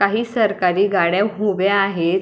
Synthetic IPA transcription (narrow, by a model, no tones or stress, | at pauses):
aɦiːsəɾkaɾiːɡaɽaɦuʋeaɦe